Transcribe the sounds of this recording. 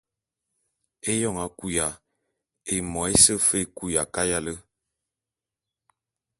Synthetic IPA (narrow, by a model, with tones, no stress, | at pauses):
e˦jɔ˦˨ŋa˨ku˦ja˨ | e˨mɔ˨e˦sə˦fe˦ku˦ja˨ka˦ja˦lə˦